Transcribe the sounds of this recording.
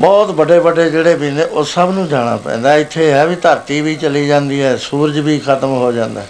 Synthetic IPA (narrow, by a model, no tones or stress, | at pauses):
bɔːt̪bəɖeːbəɖeːd͡ʒeːɽeːbiːneːʔosəbnũːd͡ʒaːɽ̃a̰ːpɛ̰̃ːnd̪aːɪt̪ʰːeːɦɛːʋiːt̪əɾt̪iːʋiːt͡ʃəliːd͡ʒãːnd̪iːɦɛːsuːɾd͡ʒʋiːkʰət̪əmɦoːd͡ʒãːnd̪a̰ːɛ